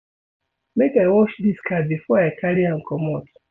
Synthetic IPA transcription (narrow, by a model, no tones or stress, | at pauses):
mekawɔʃd̪iskabifɔaakaliãŋ̩kɔmɔt